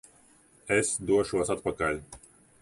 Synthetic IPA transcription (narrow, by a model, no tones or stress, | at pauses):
ɛsd̪uɔʃuɐsat̪̚pakalʲ